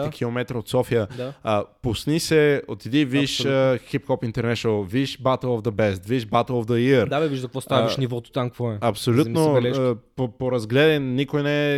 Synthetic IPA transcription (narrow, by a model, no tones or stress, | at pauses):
ikʲʰilˠomɛt̪ɾəot̪sɔfijəəpʊsnisɛot̪id̪iviiʃəxip̚kɔpint̪ɛɾnɛʃnəlˠvid̪iʃbat̪əlˠɔvd̪əbɛst̪viiʃbat̪əlˠovd̪əiəɾd̪abɛiiʒzkəkvɔst̪aʃnivɔt̪o̥t̪amkɐkvɔɛɐpsollut̪nobɛpopoɾɐzɡlɛd̪ɛnnikojnɛ